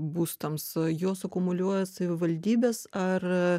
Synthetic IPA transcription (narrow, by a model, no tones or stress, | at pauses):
buːst̪ɐmsjoːsɐkʊmʊlʲuɔjɛsɐʋʲɪʋɐlʲd̪ʲiːbʲeːsɐr